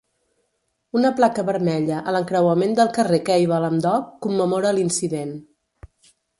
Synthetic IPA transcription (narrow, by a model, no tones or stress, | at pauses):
unəplakəβəɾmɛʎəʔələŋkɾəwəmend̪əlˠkərekɛjβələmd̪ɔkːumːəmoɾəːlinsiðen